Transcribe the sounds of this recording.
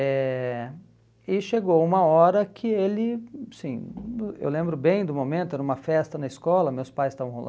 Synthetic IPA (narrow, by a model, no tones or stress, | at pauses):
ɛ | ɪʃeɡowũmɐɔɾɐkʰɪelɪsĩḛwlẽmbɾʊbẽj̃d̪ʊmomẽnt̪ʊnũmɐfɛst̪ɐnɐɪskɔlɐmewspajst̪avɐ̃w̃ɦo̰l